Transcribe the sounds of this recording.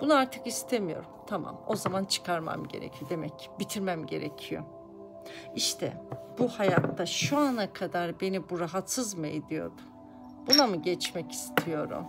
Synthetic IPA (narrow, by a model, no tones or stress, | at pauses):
b̥unuaɾt̪ʰɯkist̪ʰemijo̞̰ɾumt̪ʰama̰mo̞zamant͡ʃʰɯ̥kʰaɾma̰mɟe̞ɾḛcʰijo̞d̪e̞mɛcʰːbit̪ʰiɾmæmɟe̞̰ɾɛ̰cʰijo̰ | iʃt̪ʰɛ̰b̥uhajat̪ːaʃuanakʰad̪aɾbe̞nibuɾaɦat̪sɯzmɯed̪ijo̞̰ɾd̪u | b̥unamɯɟɛt͡ʃmɛci̥st̪ʰijo̞ɾṵm